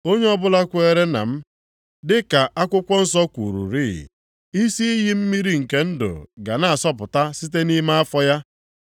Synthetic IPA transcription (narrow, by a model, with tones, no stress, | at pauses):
o˦ɲe˦ɔ˦bʊ˦la˦kʷʊ˦e˦ɾe˦na̰˨m̩˦ | dɪ˦ka˨ʔa˦kʷʊ˦kʷɔ˦n̩˦sɔ˦kʷu˨ɾṵ˨ɾiː˦˨ | i˦si˦i˦ɦi˦m̩˦mi˦ɾi˦ŋ̩˨ke˦n̩˦dʊ̰˨ɡa˨na˦a˨sɔ˦pʊ˨ta˦si˦t̬e˦ni˦ma˦a˦fɔ˦ja˦